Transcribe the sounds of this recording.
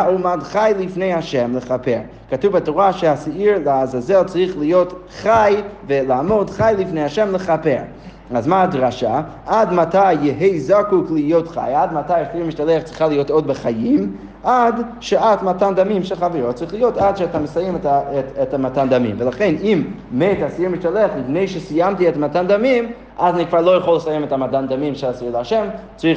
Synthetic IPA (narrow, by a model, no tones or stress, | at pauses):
umadχajlifnejhaʃɛmləχapeɾ | katuvbatoʁaʃeasaiɾlaazazɛlt͡saʁiχlijot | χajvəlaːmodχajlˠifnejhaʃɛmləχapeʁ | azmaadʁaʃa | ʔadmatʰajːɪɦejzakuklijotχa̰jadmatajasimiʃtaleχt͡sʁiχalˠijotodbəχajim | adʃeatmatandamimʃɛlˠχaveɾot͡sʁiχlijotadʃɛataməsajɛmɛtɛtɛtamatandamḭmvəlaχenim | metasjumiʃtaleaχlipnejʃəsijamtiɛtamatandamim | ʔazanikvaːɾlˠoːjəχolːəsajɛmɛtamatand̪amimʃɛlasijulaʃɛmt͡sʁi